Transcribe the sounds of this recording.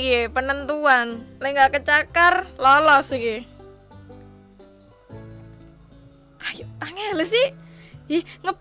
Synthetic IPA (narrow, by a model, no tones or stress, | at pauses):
kepənənt̪uanleŋɡakət͡ʃakarlɔlɔsiki | ajuʔaŋelesihihŋəp